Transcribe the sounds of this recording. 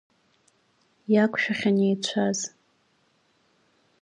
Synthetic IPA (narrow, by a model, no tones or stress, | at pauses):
jakʷʰʼʃᶣaχʲanejt͡ɕʷʰaz̥